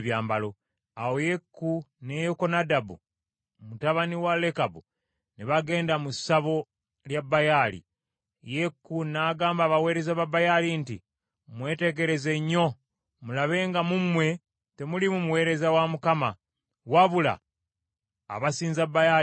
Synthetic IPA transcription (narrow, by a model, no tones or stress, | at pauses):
βjaːmbalo̞ | awo̞je̞kːunejokonadabṵ | mutaβaniwale̞kabu | neβaɡe̞ːndamusaβo̞ | ljabːajalḭ | jekːunaːɡaːmbaːβawe̞ːɾe̞zaβabajalintḭ | mwe̞ːte̞ɡe̞ɾe̞ze̞ɲːo̞ | mulaβe̞ːŋɡamumwe̞ | te̞mulimumuwe̞ːɾe̞zawamukama | waβula̰ | βasiːnzabːaja